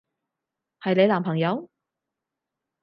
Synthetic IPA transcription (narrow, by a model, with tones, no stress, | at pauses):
hɐ˨jle˨˧jlaː˨˩mpʰɐ˨˩ŋjɐ˨˧w